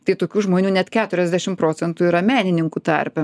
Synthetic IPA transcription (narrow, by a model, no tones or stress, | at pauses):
t̪ɐɪt̪oːkʲuːʒmoːnʲuːnʲɛt̪kʲæːt̪ʊɾʲɛzʲd̪ʲæʃʲɪmpɾoːsʲɛnt̪uːiɾɐmʲæːnʲɪnʲɪŋkut̪ɐ̰ɾʲpʲɛ